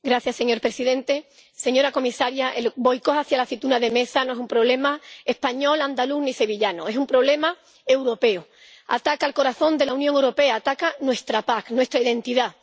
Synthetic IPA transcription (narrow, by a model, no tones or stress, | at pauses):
ɡɾaθjase̞ɲo̞ɾpɾe̞siðe̞nt̪e̞ | se̞ɲo̞ɾako̞misaɾjaʔelbo̞jko̞haθjalaθit̪unaðe̞me̞sanoe̞sumpɾo̞β̞le̞mae̞hpaɲo̞land̪aluhnise̞βiʎanoe̞sumpɾo̞β̞le̞ma | e̞wɾo̞pe̞u | a̰t̪akalko̞ɾaθõ̞nd̪e̞launjoŋewɾo̞pe̞aːt̪akanwe̞st̪ɾapaknwe̞st̪ɾaiðẽ̞nt̪iða